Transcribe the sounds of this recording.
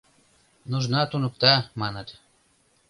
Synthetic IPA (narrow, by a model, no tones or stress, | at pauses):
nuʒnɑt̪unɤ̆k̚t̪ɑmɑnɤ̆t̪